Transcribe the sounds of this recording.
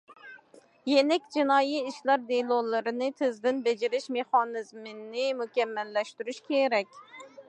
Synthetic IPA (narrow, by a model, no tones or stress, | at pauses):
jenɛkʲd͡ʒinɑːjiiʃlˠɑɾd̪elˠolˠɨɾɨnɨt̪ʰɪzd̪ɪnbed͡ʒɪɾɪʃmeχɑnɨzmɪnːɪmukʲɛmːɛlːɛʃt̪yɾyʃkʲʰeɾɛkʲ